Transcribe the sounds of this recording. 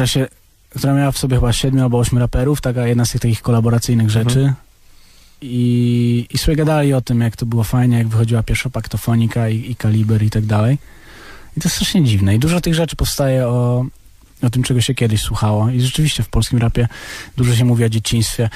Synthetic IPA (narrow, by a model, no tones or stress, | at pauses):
ɾaɕɛ | kt̪uɾamʲjawafsɔbʲɛxɘbaɕɛd̪mʲualbɔɔɕmʲuɾapɛɾuft̪akajɛd̪nast̪ɘxt̪akʲixkɔlabɔɾat̪sɘjnɘɣʐɛt͡ʂɘ | iː | sɔbʲjɛɡad̪alʲiɔt̪ɘmjakt̪ɔbɘwɔfajɲɛjaɡvɘxɔd͡ʑiwapʲjɛɾfʂapakt̪ɔfɔɲikaiikalʲibɛɾit̪aɡ̚d̪alɛj | it̪ɔɛst̪ɾaʂɲɛd͡ʑivnɛid̪uʐat̪ɘɣʐɛt͡ʂɘ̥pɔfst̪ajɛɔ | ɔt̪ɘmt͡ʂɛɡɔɕɛkʲɛd̪ɪɕswuxawɔiʐɛt͡ʂɘvʲiɕt͡ɕɛfpɔlskʲimɾapʲjɛd̪uʐɔɕ̬ɛmuvʲiɔd͡ʑet͡ɕiɲ̃st̪fʲjɛ